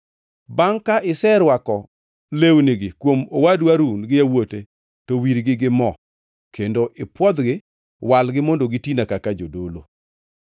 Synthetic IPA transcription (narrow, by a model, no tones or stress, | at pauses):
baŋkaʔɪsɛɾwakɔ | lewnɪɡɪkwomowadwaɾunɡɪjawote | towiɾɡɪɡɪmɔ | kʰendoʔɪpwɔd̪ɡɪ | walɡɪmondoɡɪtinakakad͡ʒodolo̰